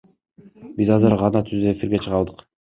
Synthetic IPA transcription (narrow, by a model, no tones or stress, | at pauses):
bizɑzɯɾʁɑnɑt̪ʰyzd̪øefiɾɡe̞t͡ʃʰɯʁɑlˠd̪ɯq